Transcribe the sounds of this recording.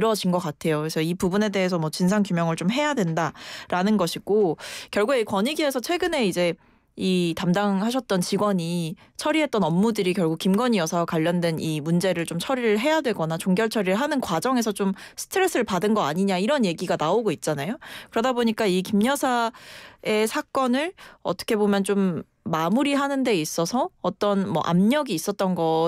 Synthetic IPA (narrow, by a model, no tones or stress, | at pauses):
ɾʌd͡ʑinɡʌk͈atʰe̞jokɯɾesʰʌipubune̞de̞ɦesʰʌmwʌt͡ɕinsʰaŋkjumjʌŋɯɭt͡ɕomɦe̞jadwe̞ndaɾanɯnɡʌɕʰiɡ̥okjʌɭɡuɡe̞ikwʌɲiɡie̞sʰʌt͡ɕʰwe̞ɡɯne̞id͡ʑe̞ | itamdaŋhaɕʰʌt̚t͈ʌnt͡ɕiɡwʌɲi | t͡ɕʰʌɾiɦe̞t̚t͈ʌnʌmːudɯɾikjʌɭɡukimɡʌɲiʌsʰakwaʎːʌndwe̞nimund͡ʑe̞ɾɯɭt͡ɕomt͡ɕʰʌɾiɾɯɭɦe̞jadweɡʌnat͡ɕoŋɡjʌɭt͡ɕʰʌɾiɭɦanɯnkwad͡ʑʌŋe̞sʰʌt͡ɕom | sʰɯ̥tʰɯɾe̞s͈ʰɯɾɯɭpadɯnɡʌaɲiɲaiɾʌnje̞ɡiɡanaoɡoit̚t͡ɕ͈anajokɯɾʌdaboɲik͈aikimɲʌsʰa | e̞sʰak͈ʌnɯɭʌt͈ʌ̥kʰe̞bomjʌnt͡ɕomː | amuɾiɦanɯnde̞is͈ʌsʰʌːt͈ʌnmʌ̰ʔa̰mɲʌɡiːs͈ʌt̚t͈ʌnɡʌ